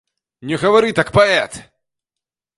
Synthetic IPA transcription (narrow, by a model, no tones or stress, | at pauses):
nʲɛɣɐvɐɾɨt̪akpɐɛt̪